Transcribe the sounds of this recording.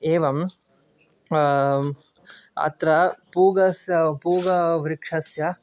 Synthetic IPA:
eːʋɐm | ɐ̰t̪ɾɐpuːɡɐsjɐpuːɡɐʋɾikʂɐsjɐ

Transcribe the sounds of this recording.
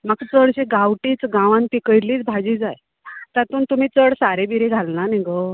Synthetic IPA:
makt͡səɽɕeɡawʈiːt͡sɡãʋãnt̪ikəjliːt͡sbʱad͡ʑiːd͡zaj | t̪at̪uːnt̪um̤iːt͡səɽsaɾebiɾeɡʱalnaniɡo

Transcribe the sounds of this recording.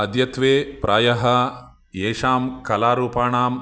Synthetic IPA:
ɐd̪jɐt̪ʋeːpɾʔaːjɐɦɐ | eːʂaːmkɐlaːɾuːpaːɳaːm

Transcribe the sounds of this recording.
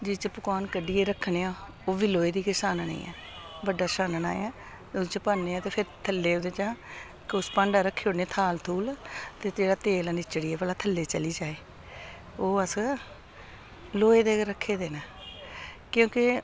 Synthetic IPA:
d͡ʒɪt͡ʃpʊkaːnkəɖiːeːɾəkʰːɳeːaː | oːʋiːloːeːd̪iːkɪsaːnna̰ḭ̃ːɛ̰ː | bəɖːaːsaːnna̰ːḛaː | ʊt͡ʃəpaːnːeːãːt̪eːpʰɪɾt̪ʰəlːeːod̪eːt͡ʃãː | kʊspãːɳɖaːɾəkʰːeːoːneːt̪ʰaːlt̪ʰuːlt̪eːteːɽaːt̪eːlaːnɪt͡ʃəɽiːeːpəlaːt̪ʰəlːeːt͡ʃəliːd͡ʒaːeː | oːəs | loːeːd̪eːɾəkʰːeːd̪eːnaː | kjõːkɪ

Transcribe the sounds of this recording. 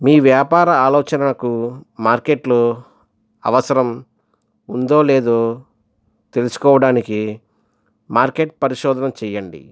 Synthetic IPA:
miːʋjaːpaːɾɐaːlɔːt͡ʃɐnɐlɐkumaːɾke̞ʈloː | ɐ̰ʋɐsɐɾɐm | und̪o̞ːleːd̪oː | t̪e̞lusu̥kɔːʋɐɽaːniki | maːɾke̞ʈ̚pɐɾiʃɔːd̪ɐnɐmt͡ʃɛjːɐɳɖḭ

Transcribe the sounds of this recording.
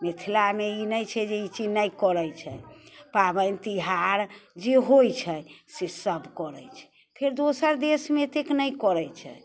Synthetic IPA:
met̪ʰilameinəjt͡ʃʰɛd͡ʒeit͡ʃid͡ʒnəjkɔɾɛjt͡ʃʰɛ̰pabənt̪iɦaɾd͡ʒeɦojt͡ʃʰɛsesəbʱkɔɾɛjt͡ʃʰɛ̥ | pʰeɾd̪osəɾd̪esmet̪eknəjkɔɾɛt͡ʃʰɛ̰

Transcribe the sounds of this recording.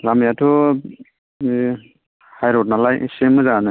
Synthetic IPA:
lamijatʰɔ | hajɾɔt̚nalajsemːɯzaanɯ

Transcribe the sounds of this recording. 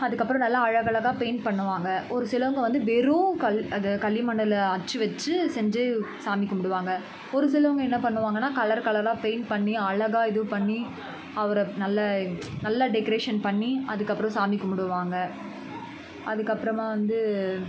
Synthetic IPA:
ɐðɯkːɐpːɯɾɐ̃nɐlːaɐɻɐɣɐɭɐɣaːpeːnpɐɳːɯʋaːŋɡɐɔɾɯsɪlɐʋɐŋɡɐʋɐnd̪ɯʋɛɾoːkɐlɐðɐkɐljɪmɐɳːɐlɐt͡ʃːɯʋɛt͡ʃːɯsɛɲd͡ʒeːsaːmɪkːɐmʊɽɯʋaːŋɡɐ | ɔɾɯsɪlɐʋɐŋɡɐɛnːɐpɐɳːɯʋaːŋɡɐnːaːkɐlɐɾkɐɭɐɾaːpeːnpɐɳːiɐɻɐɣaːɪðɯʋpɐɳːi | ɐʋɐɾɐnɐlːɐnɐlːaɖɛkɐɾeːʂɐnpɐɳːiɐðɯkːɐpːɯɾɔ̃saːmɪkːɐmʊɽɯʋaːŋɡɐ | ɐðɯkːɐpːɯɾɐmaːʋɐnd̪ɯ

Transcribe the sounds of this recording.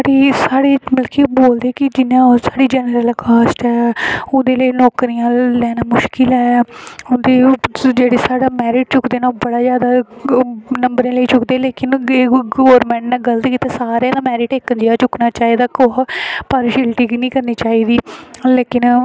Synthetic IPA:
ɽiːsaːɽeːməlkiːboːld̪eːkɪd͡ʒɪnãːsaːɽiːd͡ʒɛːnəɾəlːkaːsʈɛːʊnd̪eːləinɔːkɾijãːlɛːnaːmʊʃkɪlɛːʊnd̪eːd͡ʒeːɽeːsaːɽaːmɛːɾɪʈ̚t͡ʃʊkd̪eːnaːbəɽaːzjaːd̪aː | nəmbəɾẽːləiːt͡ʃʊkd̪eːleːkɪneɡoːɾmɛ̃ːɳʈnɛːɡələt̪kiːt̪aːsaːɾẽd̪amɛːɾɪʈeːkːənd͡ʒiaːt͡ʃʊknaːt͡ʃaːiːd̪aːkoɦpaːɾɪʃɪlʈiːkːnĩːkəɾniːt͡ʃaːiːd̪iːleːkɪn

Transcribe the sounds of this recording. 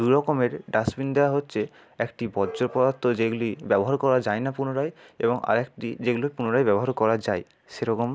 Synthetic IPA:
d̪ujɾɔkomeɾɖasbind̪eoaɦotːɕʰe | ɛkʈibɔdd͡ʑoɾpɔd̪att̪ʰːod͡ʑeɡulibɛboɦaɾkɔɾad͡ʑajnapunoɾajḛboŋa̰ɾɛkʈḭd͡ʑeɡulopunoɾajbɛboɦaɾkɔɾad͡ʑaj | ʃeɾɔkom

